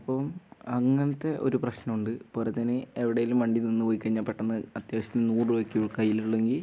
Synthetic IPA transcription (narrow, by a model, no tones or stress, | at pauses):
ɐpːɐmɐŋːɐnɐt̪ːe̞ʔo̞̰ɾuprɐɕnɐmuɳɖɨpoːlet̪ːɐnɨeʋiɽɐjilumːɐɳɖininːɨʋojkʲːɐriɲːɐpːeʈːenːɐɐt̪jaːʋɐɕɐt̪innuːrɨʋɐkːijuɭkɐjːiluɭːeŋɡil